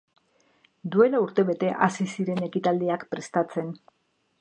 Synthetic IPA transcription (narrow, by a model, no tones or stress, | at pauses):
d̪ue̞lauɾt̪e̞βe̞t̪e̞ʔasisiɾe̞ne̞kit̪ald̪iakpɾe̞st̪at͡se̞n